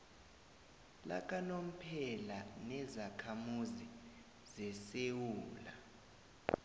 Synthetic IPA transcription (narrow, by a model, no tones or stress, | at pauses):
la̰k̬ʼanom̩pʰɛlanɛzakʰamuzi | zɛsewuːla̰